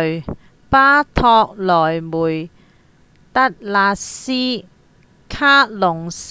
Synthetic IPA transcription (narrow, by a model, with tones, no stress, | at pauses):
paː˥t̪ʰɔː˧k̚lɔː˨˩jmuː˨˩j | t̪ɐ˥t̚laː˧siː˥ | kʰaː˥lʊ˨˩ŋs